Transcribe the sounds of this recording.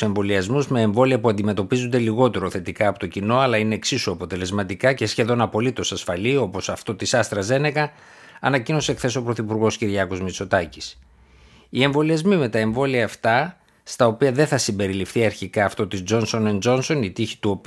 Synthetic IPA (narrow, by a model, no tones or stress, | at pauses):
se̞ɱvo̞liɐzmuzme̞eɱvo̞liɐpuɐnd̪ime̞t̪o̞pizund̪e̞liɣo̞t̪e̞ɾoθe̞t̪ikɐːpo̞t̪o̞cino̞ɐlɐineːksisuɐpo̞t̪e̞le̞zmɐt̪ikɐce̞sçe̞ðo̞nɐpo̞lit̪o̞sɐsfɐlio̞po̞sɐft̪o̞t̪isɐst̪ɾɐze̞ne̞kɐ | ɐnɐcino̞sekθe̞so̞pɾo̞θipuɾɣo̞sciɾʝɐko̞zmit͡so̞t̪ɐci̥s | ie̞ɱvo̞liɐzmime̞t̪ɐe̞ɱvo̞liɐːft̪ɐ | st̪ɐo̞piɐðe̞θɐsimbe̞ɾilifθiɐɾçikɐːft̪o̞t̪izd͡ʒo̞nso̞nend͡ʒo̞nso̞nit̪içi̥t̪uo̞